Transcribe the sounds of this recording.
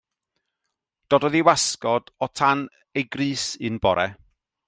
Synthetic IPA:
d̥ɔdɔðiwaskɔd̥ɔtʰan | ejɡrɨːsɨnbɔɾɛ

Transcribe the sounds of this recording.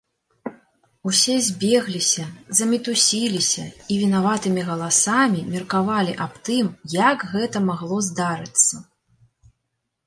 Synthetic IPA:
usʲɛzʲbʲɛɣlʲisʲɐzɐmʲit̪usʲilʲisʲɐivʲinavat̪ɨmʲiɣɐlˠasamʲimʲirkavalʲiʔapt̪ɨmjakɣɛt̪ɐmaɣlˠɔzd̪aɾɨt̪sːɐ

